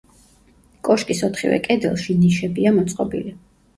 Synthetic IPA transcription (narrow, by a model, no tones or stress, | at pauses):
kʼɔʃkʼisɔt̪ʰχivɛ̰kʼɛd̪ɛlˠʃiniʃɛbiamɔt̪sʼqʼɔbḭli